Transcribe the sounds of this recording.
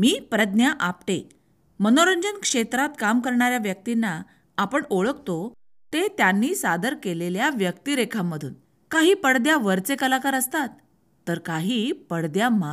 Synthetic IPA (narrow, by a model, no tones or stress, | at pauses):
miːpɾəd̪njaʔapʈe | mənoɾəɲd͡ʑənkʂet̪ɾat̪kamkəɾɳaɾjaʋjək̚t̪inːaː | pəɳoɭəkt̪o | t̪et̪janːiːsad̪əɾkeleljaʋjəkt̪iɾekʰamːəd̪ʱuːn | kaɦiːpəɽd̪jaʋəɾt͡sekəlakaɾəst̪at̪̚ː | əɾkaɦiːpəɽd̪jama